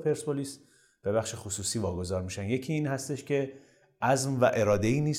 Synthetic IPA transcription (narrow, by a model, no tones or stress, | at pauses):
pʰe̞ɾspoliːs | b̥e̞βæxʃe̞xosuːsiːvɒːɡo̞zɒːɾmiʃænje̞cʰiːnhæst̪e̞ʃcʰe̞ | ʔæzmvæ̰ʔe̞ɾɒːd̪eiːniː